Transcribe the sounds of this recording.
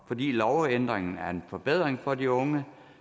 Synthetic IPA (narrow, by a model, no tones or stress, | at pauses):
fɒ̽d̥ḭːlɒʊend̥ʁeŋn̩æɐe̝nfɒ̽b̥eð̞̰ˠʁeŋfɒ̽diɔ̽ŋə